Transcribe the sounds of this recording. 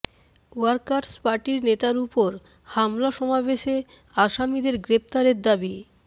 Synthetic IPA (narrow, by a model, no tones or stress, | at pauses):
uaɾkaɾspaɾʈiɾnet̪aɾupoɾ | hamlaʃɔmabeʃe | aʃamid̪eɾɡɾep̚t̪aɾeɾd̪abi